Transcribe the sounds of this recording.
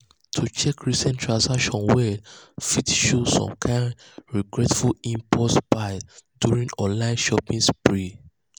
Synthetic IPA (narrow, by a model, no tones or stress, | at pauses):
tʰut͡ʃɛkɹisɛ̃ntʰɹãnsakʃɔ̃nwɛfitʃosɔ̰̃mkʰãɪnɹiɡɹɛtfulĩmpʰɔtsbaɪdjuɹĩŋɔ̃nlãɪ̃nʃɔpĩŋspɹi